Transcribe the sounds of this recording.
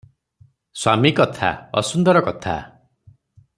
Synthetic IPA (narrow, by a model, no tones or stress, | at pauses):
swamikɔt̪ʰa̰ɔ̰sund̪ɔɾɔkɔt̪ʰa̰